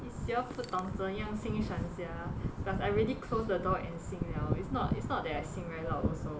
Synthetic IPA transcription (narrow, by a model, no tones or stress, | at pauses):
isjɔfut̚tːɔ̃ŋtə̃jãŋsĩŋʃãnsjadasaɪɹiəlikʰlosdədɔʔɛ̃nsĩŋnaʊḭtsnɔtḭtsnɔt̚dɛtajsĩŋɹajtlatɔso